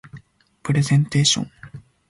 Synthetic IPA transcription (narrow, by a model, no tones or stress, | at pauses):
pɯ̟ɾe̞zẽnt̪e̞ːɕõ̰ŋ